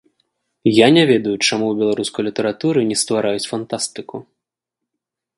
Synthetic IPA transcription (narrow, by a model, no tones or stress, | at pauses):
janʲavʲɛd̪ɐjut͡ʂamuwbʲɛlˠaɾuskɐjlʲit̪ɛɾat̪uɾɨnʲɛst̪vaɾajut͡sʲfant̪ast̪ɨku